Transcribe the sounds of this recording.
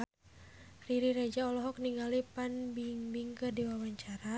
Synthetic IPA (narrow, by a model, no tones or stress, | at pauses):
riɾiɾed͡ʒaɔlɔɦɔk̚niŋɡalipanbiŋbiŋkərdiwawaɲt͡ʃaɾa